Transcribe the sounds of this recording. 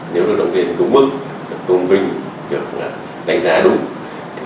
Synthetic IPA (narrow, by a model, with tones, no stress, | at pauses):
ne˨˦wzo˨˦ɗə˨˦wŋ͡mvi˧n˨ɗʊ˨˦ŋ͡mmɨ˦˥k̚ | ɨ˨˩ək̚t̪o˧nvï˧ŋ̟ | ɗɨ˨˩ək̚la̰ː˨˩ | ɗa̰˧˨ŋzaː˨˦ɗʊ˨˦ŋ͡mʰ